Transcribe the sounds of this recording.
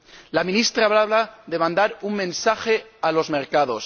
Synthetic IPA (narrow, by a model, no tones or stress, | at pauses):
lamĩnist̪ɾaβlaβlaðe̞mãnd̪aɾuŋmẽ̞nsaxe̞alo̞zmeɾkaðo̞s